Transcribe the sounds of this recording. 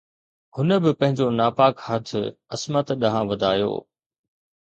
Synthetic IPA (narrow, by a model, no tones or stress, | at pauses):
ɦʊnəbɪpɐ̃ɦɪ̃ɲd͡ʑonaːpaːkhɐt̪ʰɪɐsmət̪ɗɐɦãʋɐd̪ʱaːjo̰ː